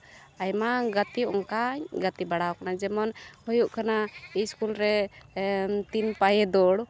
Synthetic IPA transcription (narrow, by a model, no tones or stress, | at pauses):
ajmaɡat̪iɔ̰ŋkaɲɡat̪ibaɽaɔkanad͡ʒɛmɔnhɔjuʔkʰanaiskulɾɛ | t̪inpajɛd̪ɔɽ